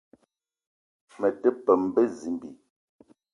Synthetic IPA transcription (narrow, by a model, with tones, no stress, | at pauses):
mə˨tə˦pə˨m̩˦bə˦zi˨mbi˨